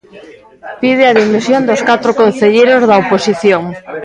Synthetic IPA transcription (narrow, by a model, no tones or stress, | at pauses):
pið̞eaðimisjond̪oskat̪ɾokonθeʎejɾozðaoposiθjoŋ